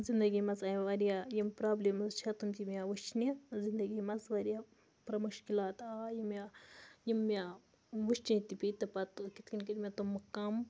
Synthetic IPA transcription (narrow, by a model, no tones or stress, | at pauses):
zind̪ɐɡimɐzajʋɐɾijajimpɾaːblemɐzt͡ʃʰɐt̪umt̪ʲimʲjaʋɐt͡ʃnizind̪ɐɡimɐzʋɐɾja | pɾɐmɐʃkilaːt̪aːjimjajimːijaː | ʋuʃt͡ʃĩt̪ipʲit̪ɐpat̪okit̪kinkiɾʲmʲat̪omːɐkːam